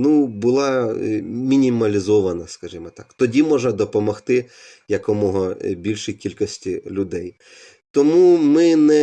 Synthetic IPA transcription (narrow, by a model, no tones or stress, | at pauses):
nubʊlˠɑ | mʲinʲimɐlʲizɔʋɐnɐskɐʒʲimɔt̪ɑkt̪ɔdʲimɔʒnɐd̪ɔpɔmɔxt̪ɪ | jɐkɔmɔɦɔbʲilʲʃijkʲilʲkɔsʲtʲilʲʊd̪ɛj | t̪ɔmumɪnɛ